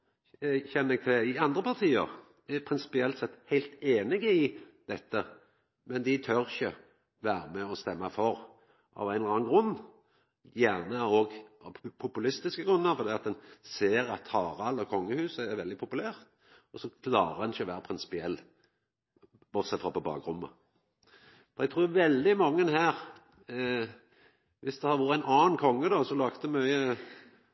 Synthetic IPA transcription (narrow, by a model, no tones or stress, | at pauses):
çɛnːɛɡ̚t̪ʰɛɪɑnd̪ɾəpʰɑʁt̪ʰiːə̰ʁ | pʰɾɪnsɪ̥pɪɛlt̪sɛt̪ːhæɪlt̪eːnɪɡəɪd̪̥ɛt̪ːə | mɛnd̪ɪt̪ʰœɾɪçə | ʋæːɾəmɛɔst̪ɛmːɑfɔɾ | ʔɑ̰ʋæɪnʁɑːɡɾʉnː | jæːʁnəɔɡɑpʰʊpʉlɪst̪ɪskəɡʁʉnːəɾfɔɾd̪iːɑt̪̚d̪ɛnseːɾɑt̪hɑːɾɑlːɔkʰɔŋːəhʉːsəæɾʋɛld̪ɪpʰʊpʉlæːʁt̪ | ɔsɔkʰlɑːɾəɾd̪ɛnɪçəɔʋæːɾəpɾɪnsɪ̥pɪɛlː | b̥ɔd̪sɛt̪ːfʁɔpɔbɑ̰ːɡɾʊmːə̰ | ɔd̪ɛɡt̪ʰɾuːjʊʋɛld̪ɪmɑŋːənhæːʁ | ʋɪsd̪ɛhɑɾʋʊɾæɪnɑːnkʰɔŋːəd̪ɔsɔlɑːkt̪əmœʏə